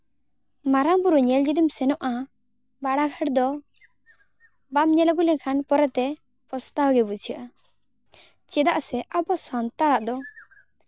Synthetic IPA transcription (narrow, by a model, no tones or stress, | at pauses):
maɾaŋbuɾuɲɛld͡ʒid̪imsɛnɔʔa | baɽaɡʰʱəɽd̪ɔ | bamɲɛlaɡulɛɲkʰanpɔɾɛt̪ɛ | pɔst̪awɡɛbut͡ʃʰaʔa | t͡ʃɛd̪aʔsɛʔabɔsant̪aɽaʔd̪ɔ